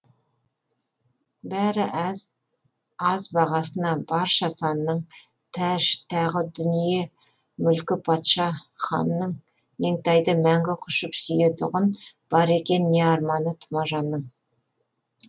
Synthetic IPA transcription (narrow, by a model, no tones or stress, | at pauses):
bæɾɪʔæz | ɑzbɑʁɑsənɑbɑɾʃɑsɑnːəɴ | t̪ʰæʒt̪ʰɑʁəd̪ʏnije̞ | mʏlkʲɪpʰɑt̪ʃɑχɑ̰nːəɴ | me̞ŋt̪ɑjd̪əmæŋɡʲɪqʰʊʃəpsʏjet̪ʰʊʁənb̥ɑɾe̞kʲe̞nːʲeɑɾmɑnət̪ʰʊ̥mɑʒɑnːəɴ